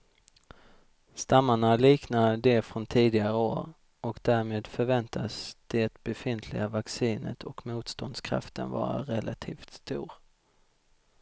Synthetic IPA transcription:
st̪amːaɳaliːknad̪ɛfɾɔnt̪ʰiːd̪ɪɡaɾəoːɾ | ʔɔkd̪æːɾmeːd̪fœɾvɛnt̪ʰasd̪̥ɛt̪bɛfɪnt̪ʰlɪ̰ɡavaksiːnə̰t̪ʰɔkmuːt̪st̪ɔnd̪skʰɾa̰ft̪ənvɑ̰ːɾa̰ɾɛlʔat̪ʰiːft̪st̪uːɾ

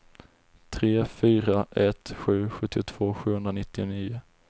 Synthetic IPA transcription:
t̪ʰɾeːfyːɾaʔɛt̪ɧʉ̟ːɧɵt̪ːɪʊt̪ʰv̥oːɧʉ̟ːhɵnd̪ɾanɪt̪ːɪʊniːʊ

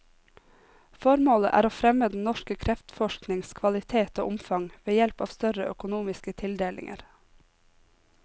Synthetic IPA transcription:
fɔɾmoːləʔæ̰ːɾoːfɾɛməd̪n̩nɔʃkəkʰɾɛft̪fɔʃknɪŋskʰʋɑlɪt̪ʰeːt̪o̰ːʔʊmfɑŋʋeːjɛlpɑ̰ːʋst̪œɾəʔœkʊnuːmɪskət̪ʰɪld̪eːlɪ̰ŋʔə̰ɾ

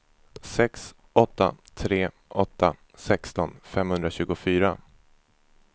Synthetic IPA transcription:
sɛks | ʔɔt̪ːa̰t̪ʰɾeː | ʔɔt̪ːa | sɛkst̪ɔnfɛmhɵnd̪ɾaɕʉ̟ːɡʊfyːɾa

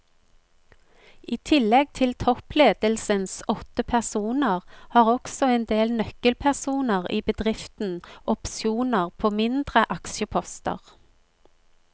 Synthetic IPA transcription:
ʔiːt̪ʰɪlɛɡ̚t̪ʰɪlt̪ʰɔpleːd̪̥əlsənsɔt̪əpʰæʁsuːnəʁhɑːʁɔksɔeːnd̪eːlnœkəlpʰæʁsuːnəʁiːbəd̪ʁɪft̪n̩ʔɔpsjuːnəʁpʰoːmɪnd̪ʁəʔɑksəpʰɔst̪ə̰ʁ

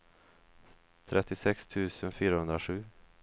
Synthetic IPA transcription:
t̪ʰɾʔɛt̪ːɪsɛkst̪ʰʉ̟ːsənfyːɾahɵnd̪ɾaɧʉ̟ː

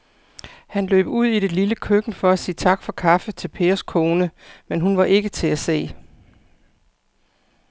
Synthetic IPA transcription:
hænlø̰ːb̥əuð̞̰ˠiɾe̝liləkʰøɡ̥n̩fɒ̽æsiːt͡sʰɑ̈ɡ̥fɒ̽kʰɑ̈fət͡sʰe̝lpʰe̝ːɐskʰo̝ːnəmenɦunʋɑ̈ʔe̝ɡ̥ət͡sʰe̝æse̝̰ː

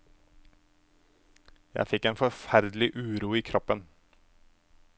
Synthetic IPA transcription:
jæ̰ɪfɪkeːnfɔfæɾd̪l̩ɪʔʉːɾuːiːkʰɾɔpən

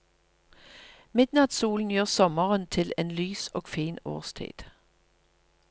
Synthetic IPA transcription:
mɪd̪nɑt̪suːln̩jøːʁsɔməʁənt̪ʰɪleːnlyːsoːɡfiːno̰ːʁst̪ʰḭːd̪̥

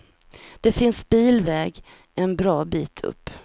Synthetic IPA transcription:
d̪̥ɛfɪnsbiːlvɛːɡ | ʔɛnbɾɑːbiːt̪ʰɵ̰pː

